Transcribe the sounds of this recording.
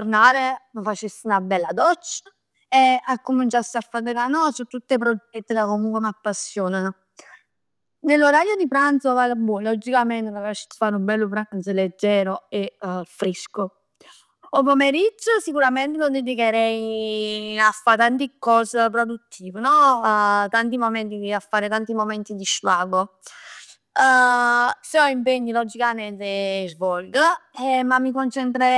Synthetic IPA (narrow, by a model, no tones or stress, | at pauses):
oɾnaːɾeməfat͡ʃist̪ːiunabɛlːad̪ɔt͡ʃːa | eakːumint͡ʃasːiafːad̪ekanɔːsut̪ːut̪ːepɾoɛt̪ːikakːomuŋkwemapːasːjoːnano | nelːoɾajod̪ipɾant̪sovalabːulɔd͡ʒikamɛnt̪emafat͡ʃi̥sfaːɾumbɛlːopɾant̪səled͡ʒːɛːɾoefɾisko | ɔp̬ɔmeɾid͡ʒːəsikuɾamɛnt̪enod̪ed̪ikɛɾɛj | afːat̪ant̪ikɔːsəpɾod̪ut̪ʰːiːvənɔ | t̪ant̪imomɛnt̪id̪iafːaːɾet̪ant̪imɔmɛnt̪id̪iʃlaːɡo | sɔimpeɲːilɔd͡ʒikanɛnt̪ezvɔlɡəɛmamːikont͡ʃɛnt̪ɾɛ